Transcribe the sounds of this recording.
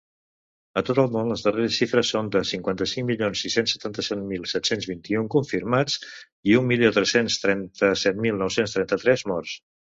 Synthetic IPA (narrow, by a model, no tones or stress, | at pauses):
ət̪ot̪əlˠmonləzðəreɾəʃʃifɾəsːond̪əsiŋkwant̪əsiŋmilionsisensə̥t̪ant̪əsɛt̪milˠsɛt̪senzβint̪iuŋkuɱfiɾmat͡s | iummːilijot̪ɾɛsenst̪ɾɛnt̪əsɛt̪milˠnɔwsenst̪ɾɛnt̪ət̪ɾɛzmɔrs